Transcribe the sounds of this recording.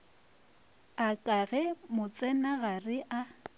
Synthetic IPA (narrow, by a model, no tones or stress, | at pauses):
akʼaɣɛmʊt͡sʼɛnaɣarɪʔa